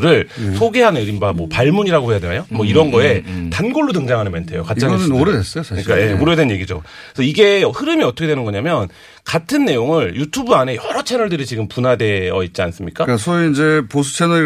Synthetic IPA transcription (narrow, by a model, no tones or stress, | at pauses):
ɾɯɭsʰoɡe̞ɦanɯɾimbamwʌpaɭmuɲiɾaɡoɦhe̞jade̞najomwʌiɾʌnɡʌe̞tanɡoɭːodɯŋd͡ʑaŋɦanɯnmjentʰejokatt͡ɕ͈aoɾdes͈ʌjosʰɯɲik͈ajemoɾdenɲje̞ɡid͡ʑo̰sʰʌiɡe̞ʌhɯɾɯmiʌtʰʌkʰeweɯnɡʌɲamjʌn | katʰɯnːe̞joŋɯɭjutʰubɯane̞jʌɾʌt͡ɕʰe̞nʌɭdɯɾit͡ɕiɡɯmpunade̞ʌit̚t͡ɕ͈ians͈ɯmɲik͈asʰʌind͡ʑepos̬ʰu̥t͡ɕʰenʌ